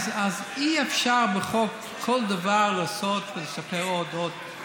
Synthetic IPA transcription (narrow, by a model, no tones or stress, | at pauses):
zaziefʃaʁbeχok | kʰːold̪avaʁlaːsot̪velesapeʁod̪od̪̚